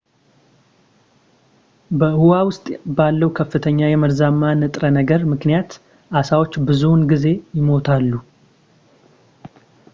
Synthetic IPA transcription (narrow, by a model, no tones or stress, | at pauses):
bəɨhuwawʊst̪ʼbalːəwkʰəfːɨt̪ʰəɲːajɛməɾzamːanɨt̪ʼɾənəɡəɾmɨknijat̪ | ʔasawo̞t͡ʃːbɨzunɡize̞jɪmo̞t̪ʰalːu